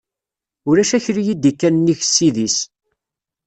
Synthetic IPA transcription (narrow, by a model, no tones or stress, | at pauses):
ʊɾæʃæçɾijid̪ikːænnːiç̥sːiðis